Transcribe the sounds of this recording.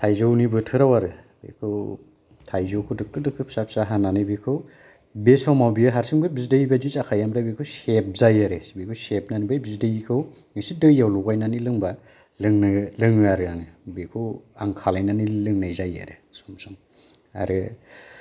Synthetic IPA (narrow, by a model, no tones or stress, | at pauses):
tʰajzawnibɯtʰɯɾawaɾɯ | bḛkʰɯw | tʰajzowkʰɯdɯkɯdɯkʰɯp̚sap̚saɦananɯbikʰɯw | besawmawbijɯɦaɾsɯŋbɯbizdɯibad͡ʒit͡ʃakʰajamɾajbekʰɯwsep̚zajaɾɯbikʰɯwsep̚nanibajbizdejikʰɯw | ŋɯsidɯjawluɡajnanilɯŋba | lɯŋnɯlɯŋɯaɾɯaŋɯbekʰɯwaŋkʰalajnanilɯŋnajzaja̰ɾɯsɔmsɔm | a̰ɾɯ